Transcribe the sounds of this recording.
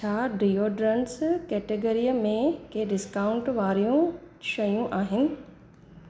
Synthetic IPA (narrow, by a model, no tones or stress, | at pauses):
t͡ɕʰaːɖɾijoɖɾɐnskɛːʈeɡəɾijəmẽkʰeɖɪskaːʊ̃ɳʈʋaːɾijũ | ʃɐjũʔaːɦɪnɪ̆